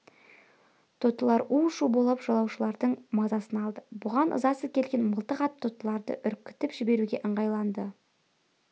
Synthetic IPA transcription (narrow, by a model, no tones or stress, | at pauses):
t̪ʰot̪ːəlˠɑɾuʃubolˠɑpʒ̥ɑlˠɑwʃəlˠɑɾd̪əɴmɑzɑsənɑlˠd̪əbʊʁɑnʔə̰zɑsəkʲʰe̞lɡʲe̞nməlˠt̪əqɑt̪̚t̪ʰot̪ːəlˠɑɾd̪ə̰ʔʏɾkʲːɪ̥t̪ɪpʒ̥ɪbe̞ɾuɡʲe̞ʔəɴʁɑjlˠɑnd̪ə